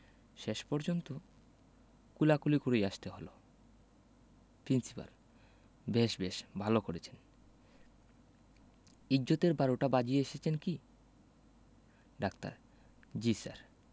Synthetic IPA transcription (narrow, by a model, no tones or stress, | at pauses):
ʃeʃpɔɾd͡ʑont̪o | kulakulikoɾejaʃt̪eɦolo | pɾinsipa̰l | beʃbeʃbʱalokoɾet͡ɕʰen | id͡ʑːot̪eɾbaɾoʈabad͡ʑieeʃet͡ɕʰenki | ɖakt̪a̰ɾ | d͡ʑisa̰ɾ